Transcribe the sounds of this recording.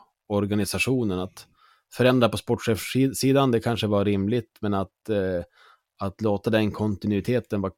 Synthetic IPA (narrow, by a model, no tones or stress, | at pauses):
ɔɾɡanɪsaʂuːnənat̪ | fœɾɛnd̪ɾapɔspɔʈːɧeːfsiːd̪and̪ɛkʰanʂəvaɾɪmlɪt̪mɛnat̪ | at̪loːt̪ad̪ɛnkʰɔnt̪ɪnʉɪt̪ʰeːt̪ənva